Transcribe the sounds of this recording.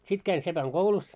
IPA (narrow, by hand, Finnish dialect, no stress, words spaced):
sit kæin sepæŋɡ̊oulus